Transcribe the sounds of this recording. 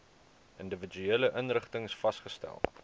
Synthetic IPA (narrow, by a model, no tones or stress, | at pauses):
ʔəndəvəd͡ʒyeːləʔənrəχtəŋsfɐsχəstæ̰lˠ